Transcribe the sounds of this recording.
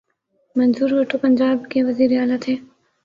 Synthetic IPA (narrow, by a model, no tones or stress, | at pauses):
mɐnzuːɾɦʊʈʰopɐɲʲd͡ʒaːbkeʋɐziːɾeaːlat̪ʰeː